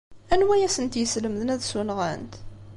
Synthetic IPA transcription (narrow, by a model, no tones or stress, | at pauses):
ænwæjæsənt̪jəsləməðənæðsunʁənt̪